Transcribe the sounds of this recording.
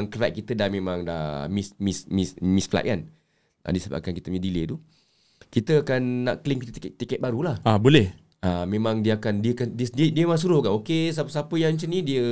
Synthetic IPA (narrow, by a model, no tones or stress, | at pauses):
ŋkəɾɛ̰ʔ̚kːit̪ədahmẽmãŋda̰mismismismisfla̰ʔ̚kan | ʔa̰disaba̰ʔkankit̪əmɲədilət̪u | kit̪əakanːaʔkəliŋkit̪ət̪ikɛt̪ikɛt̪̚baɾulahabolɛh | amẽmãŋdiəakandiəkandiədiədiəmas̬uɾʊhkanokes̬apəsapəjaɲt͡ʃənĩdiə